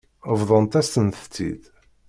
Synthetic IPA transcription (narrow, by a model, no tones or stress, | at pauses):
əvðˤənt̪æst̪ənt̪t͡s̪ːḭd̪